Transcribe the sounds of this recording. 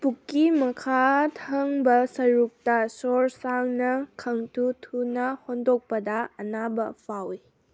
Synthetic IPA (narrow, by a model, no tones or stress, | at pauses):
pukːimɐkʰatʰɐŋbɐsɐɾuk̚tɐsoɾsaŋnɐkʰɐŋtutʰunɐhondok̚pɐdɐɐnabɐpʰawi